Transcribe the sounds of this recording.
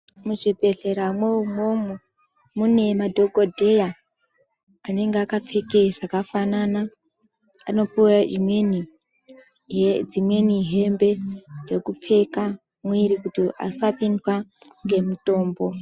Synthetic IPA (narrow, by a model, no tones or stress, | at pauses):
muʐibʱe̞ɮe̞ɾamweumomu | mune̞madʱo̞ɡodʱe̞ja | ne̞ŋɡeakap͡fekeʐakafanana | ano̞puwad͡ʒimwe̞ni | d͡zimwe̞niɦe̞mbe̞d͡ze̞kup͡fe̞ka | mwiɾikutiʔa̰sapindwaŋɡe̞muto̞ːmbo̞